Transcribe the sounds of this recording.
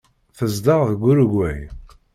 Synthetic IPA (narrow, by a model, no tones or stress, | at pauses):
θəzd̪ɑʁðɡʷːʊɾɡʷːæj